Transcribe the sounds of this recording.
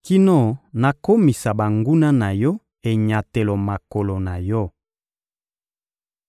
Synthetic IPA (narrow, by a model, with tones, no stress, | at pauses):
ki˦no˦˨na˨ko˦mi˨sa˨ba˨ŋɡu˦na˦na˨jɔ˦ | e˨ɲa˨te˨lo˨ma˨ko˨lo˨na˨jɔ˦